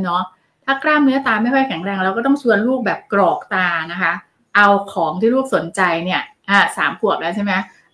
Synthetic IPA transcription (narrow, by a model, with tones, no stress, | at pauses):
nɔ˦˥ | t̪ʰaː˥˩klaː˥˩mnɯ˦˥ɐt̪aː˧ma˥˩jkʰɔ˥˩jkʰɛ˩˦ŋɾɛː˧ŋɾɛː˧˥wkɔː˥˩t̪ɔ˥˩ŋt͡ɕʰu˧ənluː˥˩k̚bɛː˨˩p̚kɾɔː˨˩k̚t̪aː˧na˦˥kʰa˦˥ | ʔa˧wkʰɔː˩˦ŋt̪ʰiː˥˩luː˥˩k̚so˨˩˦nt͡ɕa˧jni˥˩ɐʔaː˧˩sa̰ː˩˦mpʰu˨˩əp̚lɛː˦˥wt͡ɕʰa˥˩jma˦˥